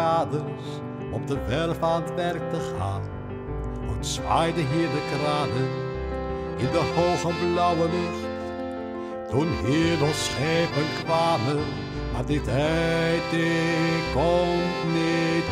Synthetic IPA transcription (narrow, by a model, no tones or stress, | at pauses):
aːdərs | ɔpdəʋɛrfaːnətʋɛrk̚təχa̰ːn | utsʋajdəɦiːɹdəkraːdən | ɪndəhowχəblʌwəlɪχt | tunɦiːɹdɔsχejpənkʋaːmən | maːdɪtɛjtekɔmtnit